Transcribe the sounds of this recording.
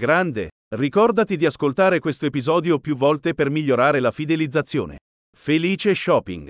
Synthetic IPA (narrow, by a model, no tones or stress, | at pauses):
ɡɾand̪ḛ | rikɔrd̪at̪id̪iaskolt̪aːɾekwest̪oepizɔːd̪jopjuvːɔlt̪epermiʎːoɾaːɾelafid̪elid̪zːat̪sːjo̰ːnḛ | feliːt͡ʃeʃɔːpːḭŋɡ